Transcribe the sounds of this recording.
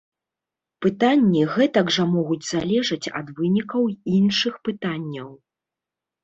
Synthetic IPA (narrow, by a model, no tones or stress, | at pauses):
pɨt̪anʲːiɣɛt̪ɐɡʐɐmɔɣud͡zʲzalʲɛʐɐt͡sʲɐ̰d̪vɨnʲikɐwinʂɨxpɨt̪anʲːɐw